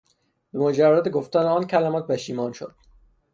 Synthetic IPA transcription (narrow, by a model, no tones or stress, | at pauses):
bemod͡ʒærːæd̪eɡoft̪æneɒːncʰælæmɒːt̪̚bæʃiːmɒːnʃo̰d̪̥̚